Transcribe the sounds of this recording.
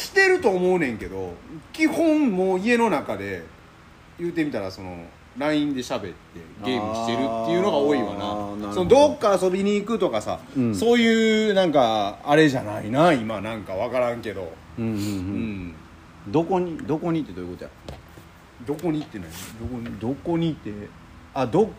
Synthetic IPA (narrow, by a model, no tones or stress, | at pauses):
kʲi̥t̪e̞ɾɯ̟t̪o̞ːmo̞ɯ̟nẽ̞ŋke̞d̪o̞̰kʲihõ̞mmoːie̞no̞nakad̪e̞ | jɯːt̪e̞mʲit̪aɾaso̞no̞ | ɾaĩnd̪e̞ɕabe̞t̪ːe̞̰ɡe̞ːmɯ̟i̥e̞ɾɯ̟t̪ːe̞jɯ̟no̞ɡao̞ːiβa̰na̰sonod̪o̞kːaːso̞bʲiɲ̟iːkɯ̟t̪o̞kasa̰so̞ːjɯːnãŋkaːɾe̞ʑanainaimanãŋkaβ̞akaɾãŋke̞d̪o̞̰ | ɯ̟̃ɴ | d̪o̞ko̞ɲ̟id̪o̞ko̞ɲ̟it̪ːed̪oːjɯko̞t̪oja̰ | d̪o̞ko̞ɲ̟it̪ːena̰ind̪okoɲid̪o̞ko̞ɲ̟it̪ːe̞ | ad̪ok